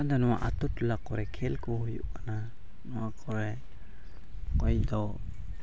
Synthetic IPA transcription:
adonua̰ʔatutulakoɾekʰelkuhjṵana | nuakʰoɾe | kojdo

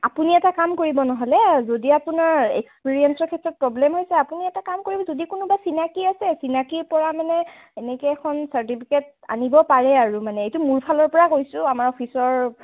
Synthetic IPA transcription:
apuniɛtakamkoɹibɔnɔɦɔlɛzodiapunaɹḛkspiɹiɛnsɔɹkʰɛtːɹɔt̚pɹɔblɛmɦojsɛapuniɛtakamkoɹibɔzodikunʊbasinakiasɛsinakiɹpɔɹamanɛ | ɛnɛkɛɛkʰɔnsaɹtipʰiket̚ | a̰nibɔpaɹɛaɹumanɛejtʊmuɹpʰalɔɹpɔɹakojsʊamaɹɔpʰisɔɹ

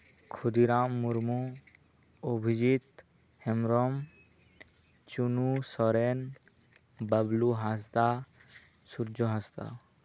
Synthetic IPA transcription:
kʰud̪iɾamːuɾmu | obʱid͡ʒit̪ | hɛmɾɔm | t͡ʃunusɔɾen | bəbluɦas̬t̪a | suɾd͡ʒɔɦast̪a̰

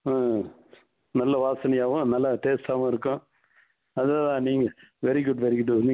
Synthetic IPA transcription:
aː | nɐlːɐʋaːsɐnɐjaːʋʊ̃nɐlːɐʈeːsʈaːʋʊ̃ɪɾɯkːʊ̃ | ɐðɐt̪ãːniːŋɡɐʋɛɾiɡʊɖʋɛɾiɡʊɖnː

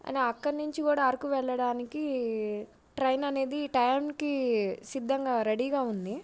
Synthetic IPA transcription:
ɐ̰naɐkːɐɾnuɲt͡ʃikuːɽaːɐɾkuʋɛɭːɐɽaːniki | ʈɾɐjnɐne̞ːd̪iʈɐjmkisid̪ːɐŋɡaːɾeɽiːɡaːund̪i

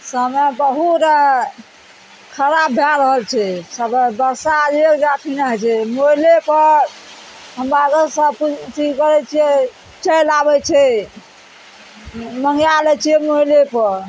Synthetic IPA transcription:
səmɛbəɦut̪ | kʰəɾabʱaɾəɦəlt͡ʃʰɛsəbbəɾsad͡ʒieɾɡaʈʰinaɦɛt͡ʃʰɛmolepəɾ | ɦəmbad̪əsəput̪ikəɾɛt͡ʃʰiɛ | t͡ʃəjlabɛt͡ʃʰɛ | məŋjalɛt͡ʃʰiɛmoilepəɾ

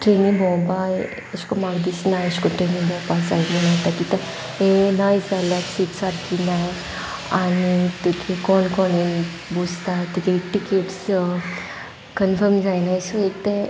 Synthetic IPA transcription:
ʈɾeːnĩŋbʱɔːbaj | ɐskomãɡd̪isnajɐskoʈɾeːnĩŋbɔːpasaːjmɐnaːt̪akit̪ɐ | enaːjsalasiʈsaɾkina | anit̪ukʰekɔːnkɔːnin | bud͡ʒt̪at̪ukʰeʈikeʈs | kənfəɾmd͡ʒajnasoek̚t̪e

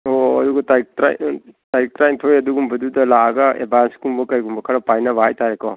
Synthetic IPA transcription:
oɐduɡɐtajk̚tɾa̰jtaɾik̚tɾajntʰoɾjɐduɡumbʱɐdudɐlaːɡɐḛbanskumbɐkɐjɡumbɐkʰɐɾɐpajnɐβaɦajtaɾekɔ

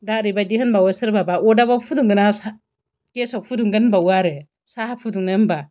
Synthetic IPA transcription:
daɾibad͡ʒihinbawesiɾbabaʔodabafuduŋɡənasa | kesakfuduŋɡənbawaɾe | saafuduŋnanba

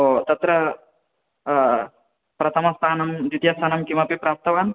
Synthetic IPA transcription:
ot̪ɐt̪ɾɐ | pɾɐt̪ʰɐmɐst̪ʰaːnɐmd͡ʒud̪jast̪ʰaːnɐmkimɐpipɾaːp̚t̪ɐʋaːn

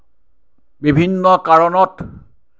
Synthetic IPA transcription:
bibʱinːɔkaɹɔnɔt

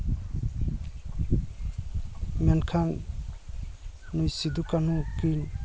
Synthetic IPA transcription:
mɛnkʰan | nujsid̪ukanukin

